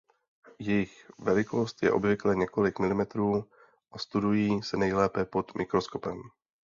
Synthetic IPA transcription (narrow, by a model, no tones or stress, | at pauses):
jɛjɪxvɛlɪko̞st̪jɛ̰ʔo̞bvɪklɛɲɛko̞lɪkmɪlɪmɛt̪ɾuː | ʔast̪udujiːsɛnɛjlɛːpɛpo̞t̪mʔɪkɾosko̞pɛm